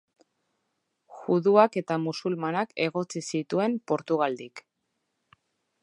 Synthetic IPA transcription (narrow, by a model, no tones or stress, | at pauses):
ɣuðuake̞t̪amusulmanake̞ɣo̞t͡sisit̪ue̞mpo̞ɾt̪uɣald̪ik